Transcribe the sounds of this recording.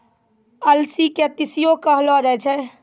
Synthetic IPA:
əlsiket̪ɪsijokəɦlɔd͡ʒaɛt͡ʃʰɛ

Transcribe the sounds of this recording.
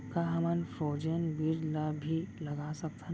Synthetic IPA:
kaɦɐmənfɾoːd͡ʒənbiɾlabʱilɐɡasɐkt̪ʰa

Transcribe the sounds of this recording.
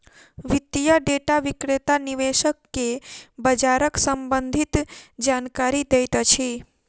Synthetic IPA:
ʋit̪ːijaɖeʈaʋikɾet̪aniʋeʃəkːebəd͡ʒaɾəksəmbənd̪ʱit̪d͡ʒankaɾid̪ejt̪t͡ʃʰi

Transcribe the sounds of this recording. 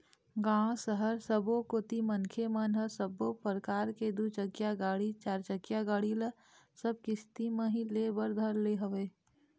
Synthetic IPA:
ɡãːsəɦəɾsəbokoːt̪imənkʰemənɦəsəbopəɾkaːɾked̪ut͡ʃəkjaɡaːɽit͡ʃaːɾt͡ʃəɡjaɡaːɽilə | səb̚kɪst̪imə̃ɦĩlebəɾd̪ʱəɾleɦəʋeː

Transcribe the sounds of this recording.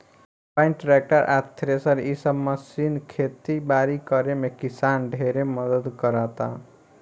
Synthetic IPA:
paɪnʈʈɾek̚ʈəɾʔat̪ʰɾesəɾisəbməsinkʰet̪ibaɾikəɾemekisanɖʱeɾeməd̪əd̪kəɾat̪a̰

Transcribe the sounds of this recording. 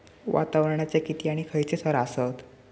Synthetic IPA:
ʋʔa̰t̪aʋɾɳjat͡sekit̪iaɽ̃ikʰəjt͡sesʰəɾasət̪

